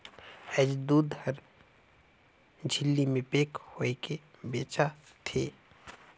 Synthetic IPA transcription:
ɛːd͡ʒd̪uːd̪həɾ | d͡ʒʱɪlːimẽpeːkhoekebeːt͡ʃa | t̪ʰeː

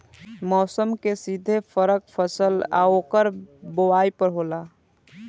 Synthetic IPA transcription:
mɔːsəmkesid̪ʱepʰəɾək̚pʰəsəla̰oːkəɾbowaːipəɾɦoːlaː

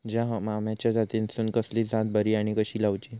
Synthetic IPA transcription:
d͡ʑaɦmamjat͡ɕjad͡zat̪insuːnkəslid͡zãt̪̚bəɾiaɽ̃ikəɕiːlaʋt͡ɕi

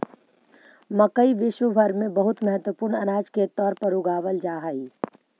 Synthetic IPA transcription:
mɐkəiʋɪʃwəbʱɐɾmẽbɐɦʊt̪mɐɦət̪wəpʊːɾɳɐɾaːd͡ʒket̪ɔːɾpɐɾuɡaːʋəld͡ʒaːɦaːiː

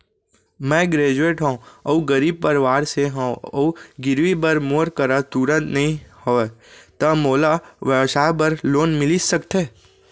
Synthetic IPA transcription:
mɛ̃ːɡɾeːd͡ʒueːʈɦõɐuɡəɾiːb̚pəɾʋaːɾseɦõːɐ̰uɡɪɾʋibɐɾmoːɾkəɾat̪uːɾə̃nt̪nɐɦĩhoet̪ɐmoːlaʋjəsaːbɐɾloːnmɪlisɐkt̪ʰeː

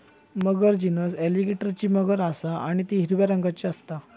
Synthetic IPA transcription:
məɡəɾd͡ʑinəseliɡeʈəɾt͡ɕiːməɡəɾasaaɽ̃it̪iɦiɾʋjaɾəŋɡat͡ɕiəst̪a

